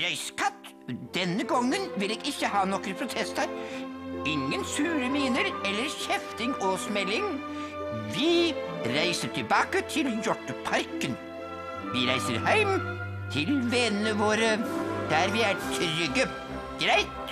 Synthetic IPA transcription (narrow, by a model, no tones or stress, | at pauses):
ɾæɪskʰɑt̪ː | d̪̥ɛnːəɡɔŋːənʋɪlːeːɡɪçːəhɑːnɔkəɾpʰɾʊt̪ʰɛst̪æɾ | ɪŋːənsʉːɾəmiːnəɾɛlːəɾçɛft̪ɪŋɔsmɛlːɪŋ | ʋɪɾæɪsəʈʰɪlbɑːkət̪ʰɪljɔʈːəpʰɑɾkən | ʋɪɾæɪsə̰ɾhæɪm | t̪ʰɪlʋɛnnəʋoːɾəd̪̥æɾʋɪæɾʈʰɾʏɡə | ɡ̥ɾæɪt̪